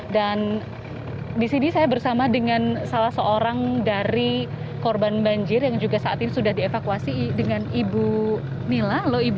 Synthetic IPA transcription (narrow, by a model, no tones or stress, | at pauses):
dan | disinisajabərsamadəŋansalahsəʔoɾaŋdaɾi | korbanbaɲd͡ʒɪrjaŋd͡ʒuɡasaʔa̰t̪inisudahdiefakuasidəŋanibu | nilahloib